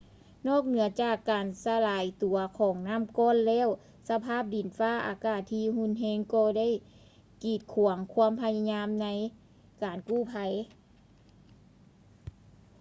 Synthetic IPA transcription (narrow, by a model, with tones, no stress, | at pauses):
nɔː˥˩k̚nɯ˨˩˦ɐt͡ɕaː˧˨˩kːaː˨˩nsa˧laː˨˩˦jt̪u˨˩˦ɐkʰɔː˨˦ŋnaː˧˥˨mkɔː˧˥˨nlɛː˧˥˨w | sa˧pʰaː˥˨˩p̚di˨˩˦nfaː˧˥˩ʔa̰ː˨˩kaː˧˩t̪ʰːiː˧˨hu˧˥˨nɦeː˧˥ŋkɔː˧˩da˥˨j | kiː˨˩t̪̚kʰu˨˩˦əŋkʰu˧˥˧əmpʰa˧ja˧ɲaː˧˥mna˧˥j | kaː˨nkuː˧˥˩pʰa˧˦j